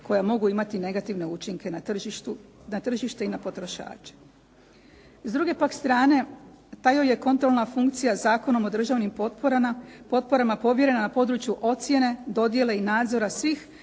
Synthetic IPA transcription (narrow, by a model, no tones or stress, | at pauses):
ko̞jamo̞ɡuimat̪ine̞ɡat̪iʋne̞ut͡ʃiŋke̞naʒit̪u | nat̪r̩ʒiʃt̪e̞inapo̞t̪ɾo̞ʃa̰ːt͡ʃe̥ | zd̪ɾuɡe̞pakst̪ɾaːne̞t̪ajoje̞ko̞nt̪ɾolnafuŋkt̪sijazaːko̞no̞mo̞d̪r̩ʒaʋnimpoɾpo̞t̪̚po̞ɾamapo̞ʋje̞ɾe̞nanapo̞d̪ɾut͡ʃjuʔo̞t̪sje̞ne̞d̪o̞d̪je̞le̞inaːd̪zo̞ɾasʋix